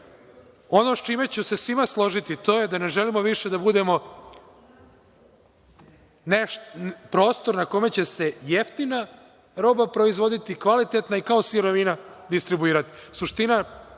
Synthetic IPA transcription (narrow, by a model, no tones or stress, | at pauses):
o̞no̞st͡ʃime̞t͡ɕuse̞sʋimaslˠo̞ʒit̪it̪o̞ːjed̪ane̞ʒelimo̞ʋiʃe̞d̪abud̪e̞mo̞ | nepɾo̞ːst̪o̞ɾnako̞me̞t͡ɕe̞se̞jeft̪ina | ɾo̞ːbapɾo̞izʋo̞d̪it̪ikʋalit̪et̪naikao̞siɾo̞ʋinad̪ist̪ɾibuiːɾat̪i̥suʃt̪ina